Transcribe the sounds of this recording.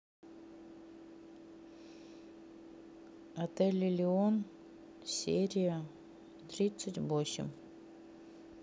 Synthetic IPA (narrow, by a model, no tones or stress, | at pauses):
ɐt̪ɛlʲilʲɪon | sʲeɾʲɪjə | t̪ɾʲit̪sɨtʲbosʲɪ̰m